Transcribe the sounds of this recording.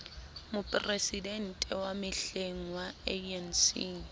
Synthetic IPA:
mʊpʼresiden̩tʼɛwamɪɬeŋ̩waɛɛn̩si

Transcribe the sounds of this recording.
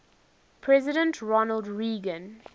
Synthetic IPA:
pʰɹɛzɪɾə̃ntʰɹɔnəldɹiːɡə̃n

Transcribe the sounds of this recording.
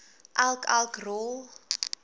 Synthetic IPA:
ʔalkalˠkrol

